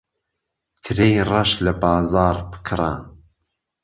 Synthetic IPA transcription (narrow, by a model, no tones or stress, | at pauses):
t̪ʰɨɾejrˤɐʃlɐbɑːzɑːɾbɨ̥kʰɾˤa